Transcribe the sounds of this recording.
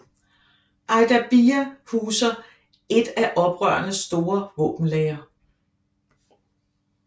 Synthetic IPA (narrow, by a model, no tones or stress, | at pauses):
ʔɑ̈ɪd̥æb̥iæhuːsɐ | e̝d̥æʔɒ̽b̥ʁɶ̰ɐnəsd̥o̝ːɐʋɔ̽ːb̥n̩lɛːɐ